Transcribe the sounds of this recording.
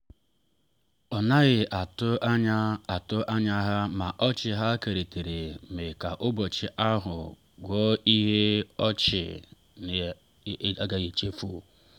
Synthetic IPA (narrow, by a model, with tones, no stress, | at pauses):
ɔ˨na˦ɣɪ˨ʔa˨tʊ˦ɲ˦a˨tʊ˦ʔa˦ɲa˦ɦa˦ma˨ʔɔ˦t͡ʃɪ˨ɦa˦ke˨ɾe˨te˨ɾe˨me˨ka˨ʔʊ˦bɔ˨t͡ʃɪ˨ʔa˦ɦʊ̰˨ | ɡʷɔ˦i˦ɦe˦ɔ˦t͡ʃɪ̰˨ | n˨˦ | a˦ɡa˨ɣe˨t͡ʃe˦fu˦˨